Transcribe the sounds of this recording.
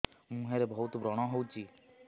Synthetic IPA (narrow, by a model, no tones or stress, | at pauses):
mũɦeɾebɔɦut̪bɾɔɽ̃ɔɦowt͡ʃʰi